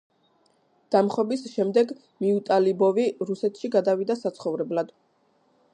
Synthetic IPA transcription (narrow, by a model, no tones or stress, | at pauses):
d̪̥amχɔbisʃɛmd̪ɛɡ | miut̪ʼalibɔviɾusɛt̪ʰʃiɡad̪avid̪asat̪sʰχɔvɾɛblad̪̥